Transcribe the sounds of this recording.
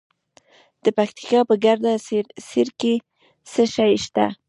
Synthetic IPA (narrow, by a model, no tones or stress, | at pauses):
d̪̥əpakt̪i̥kɑpəɡaɾd̪aseɾke | səʃajʃt̪a̰